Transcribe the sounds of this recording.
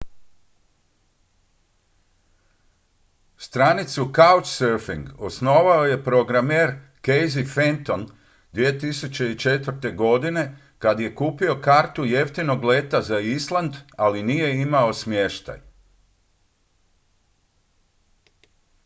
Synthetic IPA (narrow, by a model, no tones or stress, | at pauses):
st̪ɾanit̪sukawt͡ʃsøɾfḭŋɡosno̞ːʋao̞je̞pɾo̞ɡɾameːɾkejzifent̪on | d̪ʋie̞t̪isut͡ɕe̞it͡ʃe̞t̪ʋəɾt̪e̞ɡo̞d̪ine̞ | kad̪je̞kuːpio̞kaːɾt̪ujeft̪ino̞ɡle̞ːt̪azaislˠand̪alinije̞imao̞smje̞ʃt̪a̰j